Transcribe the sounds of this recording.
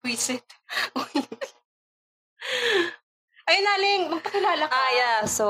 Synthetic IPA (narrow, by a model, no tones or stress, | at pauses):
wisɪt̪ | ʔɐjɐnaːlɪŋmɐɡ̚pɐkɪlaːlɐaːjaso